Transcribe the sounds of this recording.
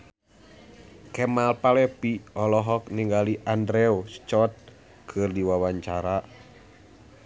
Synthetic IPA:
kɛmalpalɛpiɔlɔɦɔk̚niŋɡaliʔandɾɛɔst͡ʃɔt̪̚ | kʰɨrdiwawaɲt͡ʃaɾa

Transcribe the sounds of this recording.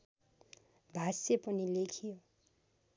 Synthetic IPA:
bʱasepʌnilekʰijo

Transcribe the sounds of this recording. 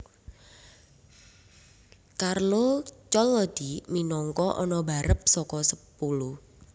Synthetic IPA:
karlot͡ʃɔlːɔd̪̥iminɔŋkɔʔɔnɔbaɾəp̚sɔkɔsəpuluh

